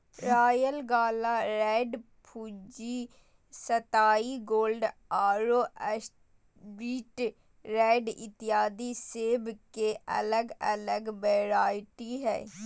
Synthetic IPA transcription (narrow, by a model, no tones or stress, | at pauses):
ɾaːjəlɡaːlaːɾɛːɖ | pʰuːd͡ʒiː | sət̪aːiɡoːlɖaːɾoːʔə | ɾiːʈ | ɾɛːɖɪ̰t̪ɪjaːd̪iseːbkeʔə̰ləɡə̰ləɡbɛːɾaːɪʈiɦɛ̰ː